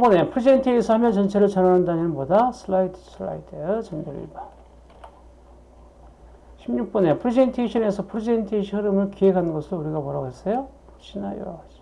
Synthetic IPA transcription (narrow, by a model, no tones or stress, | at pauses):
ponepʰɯɾid͡ʑentʰiesʰʌhamjʰʌnt͡ɕʌnt͡ɕʰeɾɯɭt͡ɕʌnanandaɲinɯnmʌdasʰɯlaidsɯla̰idʰet͡ɕʌmdɯɾḭba | ɕʰimɲuk̚p͈ʌnepʰɯɾed͡ʑentʰeɕʰʌne̞sʰʌpʰɯɾid͡ʑentʰeɕʰiɯɾɯmɯɭkiɦeɡanɯnɡʌsʰɯɾouɾiɡamoɾaɡɦes͈ʌjo | ɕʰinajo̰ad͡ʑi̥